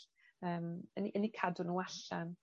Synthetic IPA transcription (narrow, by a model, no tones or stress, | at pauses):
əːməniʔənikʰadʊnuːaɬɛm